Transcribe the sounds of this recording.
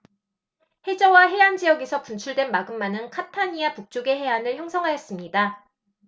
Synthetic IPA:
he̞d͡ʑʌwaɦe̞and͡ʑijʌɡesʰʌpunt͡ɕʰuɭdwenmaɡɯmːanɯnkʰatʰaɲiapuk̚t͡ɕ͈uɡe̞ɦe̞anɯɭçjʌŋsʰʌŋɦajʌs͈ɯmɲida

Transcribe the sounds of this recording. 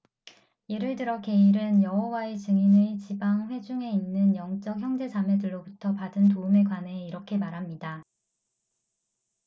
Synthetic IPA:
jeɾɯɭtɯɾʌke̞iɾɯnjʌɦowae̞t͡ɕɯŋinet͡ɕibaŋɸwe̞d͡ʑuŋe̞inːɯnjʌŋt͡ɕ͈ʌk̚çjʌŋd͡ʑe̞d͡ʑame̞dɯɭːobutʰʌpadɯntoume̞kwaneiɾʌkʰe̞maɾɦamɲida

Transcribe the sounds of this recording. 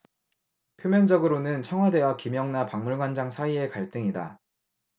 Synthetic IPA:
pʰjomjʌnd͡ʑʌɡɯɾonɯnt͡ɕʰʌŋɦwade̞wakimjʌŋnapaŋmuɭɡwand͡ʑaŋsʰaie̞kaɭt͈ɯŋida

